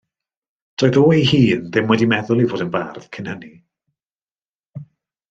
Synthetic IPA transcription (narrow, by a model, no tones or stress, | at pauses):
d̥ɔːjðoːihiːnðɪmwɛdimɛðʊlˠivoːdənbarð̥kʰɪnhəni